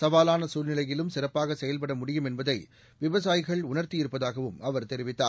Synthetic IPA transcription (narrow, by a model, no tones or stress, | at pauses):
sɐʋaːlaːnɐsuːlnɪlɐjɪlɯmsɪrɐpːaːɣɐsɛjɐlpɐɽɐmʊɽɪjɯmɛnbɐðɐɪ | ʋɪʋɐsaːjɪɣɐɭʊnɐɾt̪ɪɪɾɯpːɐðaːɣɐʋɯmɐʋɐɾt̪ɛɾɪʋɪt̪ːaːɾ